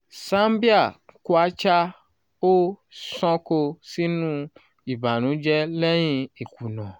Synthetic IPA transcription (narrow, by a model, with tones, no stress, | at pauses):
sã˦m˦bi˦a˦˨ko˦a˦t͡ʃa˦ | o˦sɔ̃˦ko˧si˦nũ˦ | i˨ba˨nũ˨˦d͡ʒɛ˦lɛ˦j̃ĩ˧e˨ku˨nɔ̃˨